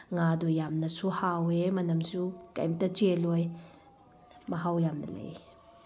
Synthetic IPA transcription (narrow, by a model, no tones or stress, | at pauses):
ŋadɔjːamnɐsuhawemɐnɐmsukɐ̰jmtɐt͡ʃelɔj | mɐɦawjamnɐ̰lḛj